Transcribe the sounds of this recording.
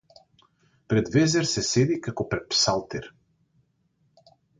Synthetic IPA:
pɾɛd̪vɛzɛɾsɛsɛd̪ikakopɾɛt̪̚psalˠt̪ɛɾ

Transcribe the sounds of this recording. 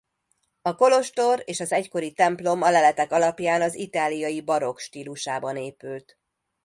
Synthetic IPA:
ɒko̞lo̞ʃt̪o̞ɾeːʃɒzɛcko̞ɾit̪ɛmplo̞mɒlɛlɛt̪ɛkɒlɒpjaːnɒzit̪aːlijɒjibɒɾo̞kʃt̪iːluʃaːbɒneːpylt̪

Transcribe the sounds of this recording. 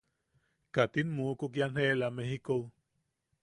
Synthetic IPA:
kat̪inmukukjanhelamehikow

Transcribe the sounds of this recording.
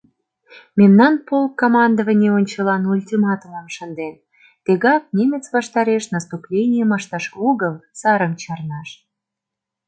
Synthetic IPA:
mʲemnɑnpolkːomɑnd̪əvənʲeonʲt͡ɕə̆lɑnulʲt̪ʲimɑt̪uməmʃənd̪en | t̪eɣɑk̚nʲemʲet͡svɑʃt̪ɑɾeʃnəst̪uplʲenʲijəmɑʃt̪ɑʃoɣəlˠsɑɾəmt͡ɕɑrnɑʃ

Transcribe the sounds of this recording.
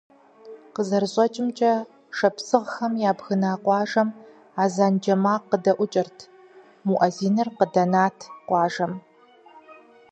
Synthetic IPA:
qəzɐrɕʼɐt͡ʃʼɪmt͡ʃʼɐ | ʂɐpsɨʁxɐmjaːbxɨnaːqʷɑːʒɐm | aːzaːnd͡ʒɐmaːqːədɐʔʷʊt͡ʃʼɪrtʰ | muʔɐziːnɨrqədɐnaːtʰqʷɑːʒɐm

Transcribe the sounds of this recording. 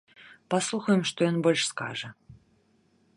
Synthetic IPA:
paslˠuxɐjɪmʂt̪ɔjɔnbɔlʲʂska̰ʐə

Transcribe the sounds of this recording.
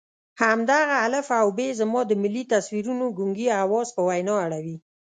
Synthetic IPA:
hamd̪aɣaːləfawbezamɑd̪əmɪlːit̪aswiɾunoɡuŋɡiawɑzpəwajnɑaɽawi

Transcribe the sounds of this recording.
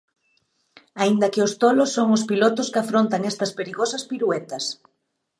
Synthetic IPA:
aind̪ɐkɪʊst̪olʊsːoŋʊspilot̪ʊskafɾont̪aŋɛst̪ɐspeɾiɣosɐspiɾuɛt̪ɐs

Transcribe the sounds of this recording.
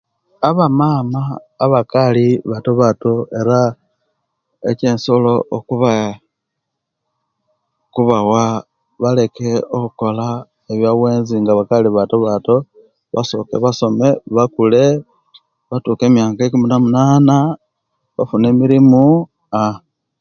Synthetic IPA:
aβamaːmaː | βakaliβatoβato̞e̞ɾa | ḛce̞ːnso̞lo̞okuβa | kuβawa | βale̞ke̞okuko̞la | eβjawe̞ːnziŋɡaβakaliβatoβato̞ | βa̰so̞ke̞̰βaso̞me̞βakule̞ | βatuːke̞ːmjaːkaekuminamunaːna | βafune̞miɾimu | a

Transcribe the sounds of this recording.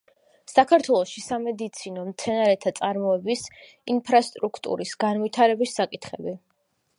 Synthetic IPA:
sakʰaɾt̪ʰwɛlˠɔʃisamɛd̪it̪sʰinɔmt̪sʰɛnaɾɛt̪ʰat̪sʼaɾmɔɛbis | inpʰɾast̪ʼɾukʰt̪ʼṵɾisɡanvit̪ʰaɾɛbisːakʼit̪ʰχɛbi

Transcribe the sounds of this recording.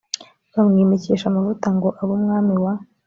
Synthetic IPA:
βamŋiːmeceːʃamavutaŋɡo̞ʔaβumŋaːmiwa

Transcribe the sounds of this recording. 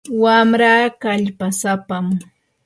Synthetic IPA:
wamɾaːkaʎpasapam

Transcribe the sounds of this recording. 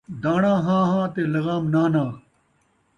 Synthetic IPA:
d̪aːɳãːɦãːɦãːt̪eːlɐɣaːmnaːnaː

